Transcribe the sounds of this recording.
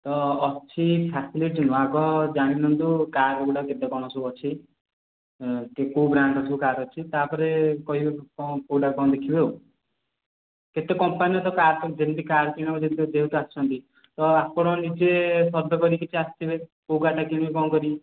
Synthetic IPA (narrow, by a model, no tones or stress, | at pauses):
t̪ɔːt͡ʃʰipʰasiliʈ̚d͡ʒunuaɡɔd͡ʒaɽ̃inɔnd̪ukaɾeɡuɽaket̪ekɔɽ̃ɔsuɔt͡ʃʰi | kekowbɾaɳɖɔt̪ʰukaɾɔt͡ʃʰit̪apɔɾekɔɦibekɔ̃kowɽakɔ̃d̪ekʰibew | ket̪ekɔmpaniɔt̪ɔkaɾt̪ɔd͡ʒent̪ikaɾkiɽ̃ɔkɔd͡ʒʰent̪ud͡ʒeɦut̪uast͡ʃʰɔnt̪i | t̪ɔapɔɽ̃ɔnid͡ʒesɔd̪ʱɔkɔɾikit͡ʃʰiast̪ibekowkaʈakiɽ̃ɔbekɔ̃ːkɔɾi